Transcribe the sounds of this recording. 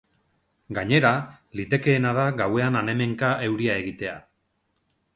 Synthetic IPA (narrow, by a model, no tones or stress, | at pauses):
ɡaɲe̞ɾalit̪e̞ke̞ːnað̞aɣawe̞anane̞me̞ŋkae̞wɾiae̞ɣit̪e̞a̰